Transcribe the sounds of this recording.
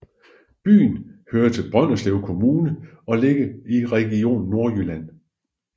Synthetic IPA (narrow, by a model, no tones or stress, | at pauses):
b̥y̰ːn̩høːɐt͡sʰe̝lb̥ʁɶn̰ɐsleʊkʰo̝muːnə | ɒ̽le̝ɡ̥əiʁɛɡ̥io̝̰ːn̩ːo̝ɐylæn̰